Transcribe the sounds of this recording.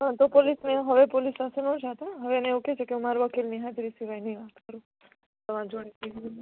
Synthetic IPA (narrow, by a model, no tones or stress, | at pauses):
ɦãt̪opolisneɦəʋepolisnãsenõd͡ʒʱat̪aɦəʋeneuket͡ʃʰekeũmaɾʋəkilniɦat̪ɾisiʋajniʋat̪kəɾũ | t̪əmãd͡ʒoɽ̃itiɡ